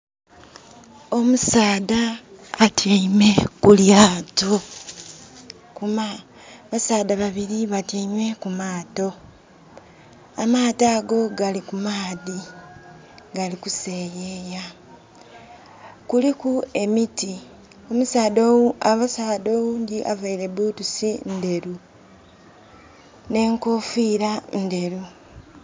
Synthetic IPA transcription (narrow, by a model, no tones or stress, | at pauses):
o̞musaːðaːtjaime̞kuljaːto | kuma | βasaːðaβaβiɾiβatjaime̞kumaːto̞ | amaːtaːɡo̞ɡalikumaːði | ɡalikuse̞je̞ja | kulikue̞miti | o̞musaːdoaβasaːdowuːɲɟiʔa̰vaiɾe̞butusinde̞ɾu | ne̞ŋko̞fiːɾande̞ɾu